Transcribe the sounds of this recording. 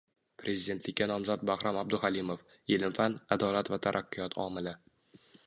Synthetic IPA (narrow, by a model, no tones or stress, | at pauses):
pʰɾʔe̞zid̪e̞nt̪ʰlɪkʲːanɒmzɒt̪̚bahɾɒmab̚d̪ʊhalimof | elɪmfanad̪ɒlat̪vat̪ʰaɾʔaqʰːijɒt̪ʰɒ̰mɪla